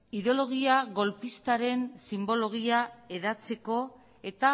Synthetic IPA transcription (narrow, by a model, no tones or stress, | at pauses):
iðo̞lo̞ɣ̞iaɣo̞lpist̪aɾe̞nsimbo̞lo̞ɣ̞iae̞ðat͡se̞ko̞ | e̞t̪a